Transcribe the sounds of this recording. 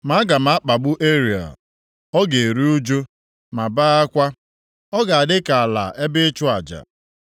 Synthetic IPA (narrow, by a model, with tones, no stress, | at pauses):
ma˦ɡa˨m̩a˨˦k͡pa˨ɡ͡bʊ˦ʔe˦ɾi˨a̰˨ | ɔ˦ɡe˨ɾi˦u˦d͡ʒo˦ | ma˨baː˦a˦kʷa˦ | ɔ˦ɡa˨a˨dɪ˦ka˨a˨la̰˨ʔe˦bɪ˦t͡ʃʊ˦a˨d͡ʒa̰˨